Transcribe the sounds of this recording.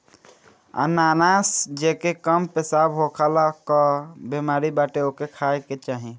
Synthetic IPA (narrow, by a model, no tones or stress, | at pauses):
ə̰naːnasd͡ʒekekəmpesabʱɦokʰalakəbimaːɾibaʈeokekʰaeket͡ʃaːɦi